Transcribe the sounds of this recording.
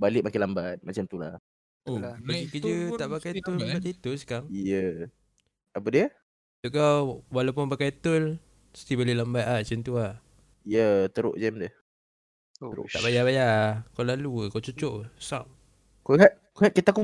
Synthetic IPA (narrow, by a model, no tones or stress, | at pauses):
balɪʔ̚makɪlambat̪̚mat͡ʃamt̪ulah | obaɡikəd͡ʒət̪aʔpakajt̪ʊlaʔt̪it̪ʊskaŋijə | apədiə | t̪uʔkawwalawp̬ʊnpakajt̪ʊl | st̪ibəlelambat̪aht͡ʃənt̪uah | ijət̪əɾo̰ʔd͡ʒɛmdəh | əɾo̰ʔ̪aʔbajaβajakawlalukawt͡ʃut͡ʃoʔsa̰p̚ | koŋaʔ | koŋaʔkit̪aku